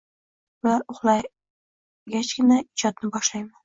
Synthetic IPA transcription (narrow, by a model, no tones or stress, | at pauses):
bʊlaɾʊχlˠaj | ɡʲat͡ʃɡʲɪnaɪd͡ʒɒd̪nɪbɒʃlajman